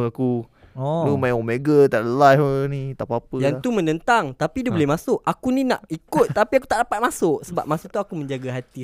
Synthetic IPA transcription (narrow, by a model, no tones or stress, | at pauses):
aku | ɔlumajaŋomeɡət̪aʔləlajənĩt̪apapəjaŋt̪umə̃nənt̪aŋt̪apiduobolɛhmasʊʔakunina̰ʔikʊt̪ːapiak̬ut̪aʔdapat̪̚masʊʔsəba̰p̚masʊʔ̚t̪uakumə̃ɲd͡ʒaɡaɦat̪i